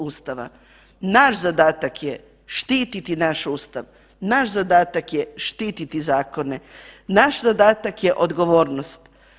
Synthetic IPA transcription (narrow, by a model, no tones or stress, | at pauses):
uːst̪aʋa̰ | naʃzad̪aːt̪akje | ʃt̪iːt̪it̪inaʃuːst̪aʋ | naʃzad̪aːt̪akjeʃt̪iːt̪it̪izaːko̞nenaʃzad̪aːt̪akje̞ʔo̞d̪ɡo̞ʋoːɾnost̪